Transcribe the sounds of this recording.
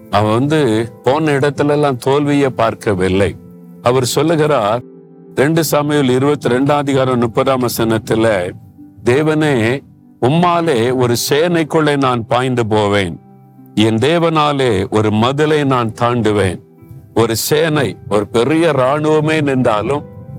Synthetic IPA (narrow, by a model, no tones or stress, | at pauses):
ɐʋɐnd̪ɯpoːnːɐɪɽɐt̪ːɪlɛlːaːmt̪oːlʋɪjɐpaːɾkɐʋɪlːɐɪ | ɐʋɐɾsɔlːɯɣɪɾaːɾ | ɾɛɳɖɯsamɪjɔlɪɾɯbɐt̪ːɯɾɛɳɖaːðɪɣaːɾɐ̃mnʊpːɐðaːmɐsɐnɐt̪ːɪlɐ | d̪eːʋɐneː | ʊmːaːleːɔɾɯseːnɐɪkːɯɭːenaːnpaːjnd̪ɯp̬oːʋeːn | ɛnd̪eːʋɐnaːleːʔɔɾɯmɐðɪlɐɪnaːnt̪aːɳɖɯʋeːn | ɔɾɯseːnɐɪɔɾɯpɛɾɪjɐɾaːɳɯʋɐmeːnɪnd̪aːlɯm